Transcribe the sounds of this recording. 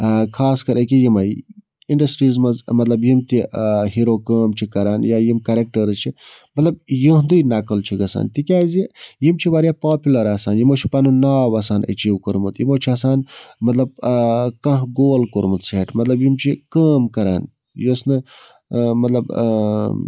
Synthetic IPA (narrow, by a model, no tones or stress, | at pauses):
kʰaːskɐɾʔɐkijimɐj | iɳɖɐsʈɾiːzmɐzmɐt̪lɐbjimt̪iɦiɾoːkəːmt͡ʃʰikɐɾaːnjaːjimkɐɾek̚ʈɐɾt͡ʃʰi | mɐt̪lɐb̚jĩɦnd̪uinɐkəlt͡ʃʰiɡɐsa̰ːnt̪ikʲaːzijimt͡ʃʰiʋaːɾjapaːpʲjulɐɾaːsaːnjimoːt͡ʃʰi̥pɐnunaːʋɐsaːnɐ̰t͡ʃiːwkuɾmut̪jimoːt͡ʃʰiɐːsaːnmɐt̪lɐb̚kɐ̃ɦɡoːlkuɾmut̪seːʈmɐt̪lɐbjimt͡ʃʰikəːmkɐɾa̰ːn | josnɨ | mɐt̪lɐb